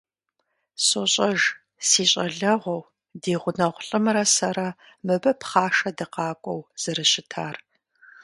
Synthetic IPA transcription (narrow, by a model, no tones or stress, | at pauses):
sʼoɕʼɐʒ | siːɕʼɐɮɐʁʷɔw | deːʁʷʊnɐʁʷʊɬʼɨmɨɾɐsɐɾɐ | mɨbɐpχɑːʂɐdɨqɑːkʷʼɔwz̥ɨrɨɕɪtʰaːr